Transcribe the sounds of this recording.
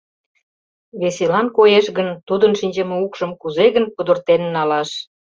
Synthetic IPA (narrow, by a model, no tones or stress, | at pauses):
βesilɑnkojeʃɣənt̪ud̪ənʃinʲd͡ʑemeukʃəmkuzeɣənkud̪ə̆rt̪ennɑlɑʃ